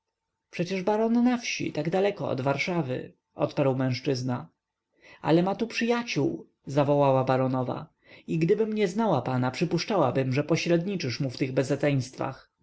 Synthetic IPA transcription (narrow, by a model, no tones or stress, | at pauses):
pʂɛt͡ɕɛʐbaɾɔnnafɕḭt̪aɡd̪alɛkɔɔ̰d̪vaɾʂavɘ̰ | ʔɔ̰t̪paɾwmɛ̃w̃ʂt͡ʂɘzna | a̰lɛmat̪upʂɘjat͡ɕuw | zavɔwawabaɾɔnɔva̰ | iɡd̪ɘbɘmɲɛznawapanapʂɘpuʂt͡ʂawabɘmʐɛpɔɕɾɛd̪ɲit͡ʂɘʂmuft̪ɘɣbɛzɛɛj̃st̪fa̰x